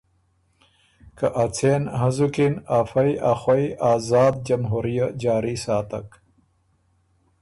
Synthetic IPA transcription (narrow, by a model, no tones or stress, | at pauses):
kɐʔat͡sʰeːnɦɐzukinafɐjaxwɐiaːzaːd̪̚d͡ʑɐmɦuːɾijad͡ʑaːɾisaːt̪ɐ̰k